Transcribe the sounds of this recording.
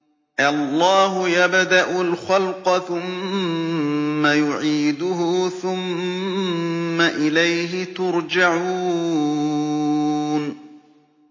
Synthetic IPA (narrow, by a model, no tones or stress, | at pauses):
ʔɑlˤːɑːɦʊjabd̪aʔʊlxɑlqɑθʊm | ajʊʕiːd̪ʊɦʊθʊm | aʔɪlajɦɪt̪ʊɾd͡ʒaʕuː | n